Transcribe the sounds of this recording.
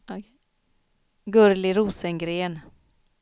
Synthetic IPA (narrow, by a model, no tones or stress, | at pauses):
ɡɵɾlɪɾuːsəŋɡɾeːn